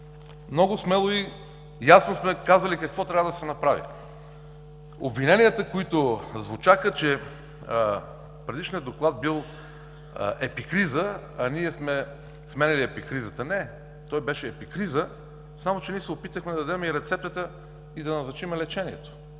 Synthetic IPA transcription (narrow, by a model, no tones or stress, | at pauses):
mnɔɡʊsmɛlˠoi | jasnosmɛkazəlikɐkvɔt̪ɾʲavəd̪ɐsɛnɐpɾavḭ | o̰bvinɛnijət̪əkoit̪ozvʊt͡ʃakət͡ʃɛ | pɾɛd̪iʃnijəd̪oklˠad̪̚bilˠ | ʔɛpikɾizəɐniɛsmɛ | smɛnʲɐlʲiɛpikɾizət̪ənɛ | t̪ɔjbɛʃɛːpikɾizə | samot͡ʃɛniɛsɛopit̪əxmɛd̪ɐd̪ɐd̪ɛmɛiɾɛt̪sɛp̚t̪ət̪ə | id̪ɐnɐznɐt͡ʃimɛlɛt͡ʃɛniɛt̪o̥